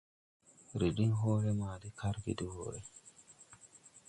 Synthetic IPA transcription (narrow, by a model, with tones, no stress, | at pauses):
ɾi˨ɗi˦nɦoː˦ɾɛ˦maː˨dikʰa˦ɾɡḭdiho̰ːɾɛ˨